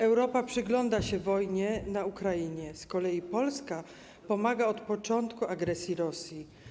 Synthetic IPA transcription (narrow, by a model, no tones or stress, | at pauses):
ɛwɾɔpapʂɘɡlɔnd̪aɕɛvɔjɲɛnaukɾajiɲɛskɔlɛjipɔlska | pɔmaɡaɔt̪pɔt͡ʂɔnt̪kuaɡɾɛsʲjiɾɔsʲji